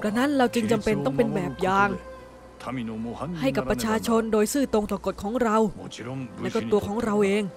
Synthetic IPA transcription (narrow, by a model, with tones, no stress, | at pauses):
plɛ˧˩na˦˥nɾa˧wt͡ɕɯ˧ŋt͡ɕa˧mpe˧nt̪ɔ˥˩ŋpe˧nbɛː˨˩p̚jaː˧ŋ | ha˥˩jka˨˩ppɾa˧t͡ɕʰaː˧t͡ɕʰo˧ndoː˧jsɯː˥˩t̪o˧ŋt̪ɔː˨˩ko˨˩t̪̚kʰɔː˩˦ŋɾa˧wlɛː˦˥˩kɔː˥˩t̪u˧ɐkʰɔː˩˦ŋɾa˧wʔeː˧ŋ